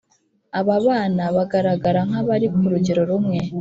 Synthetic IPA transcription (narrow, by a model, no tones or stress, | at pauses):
aβaβaːnaβaɡaɾaɡaɾaŋ̥aβaɾikuɾuɟiɾo̞ɾumŋe̞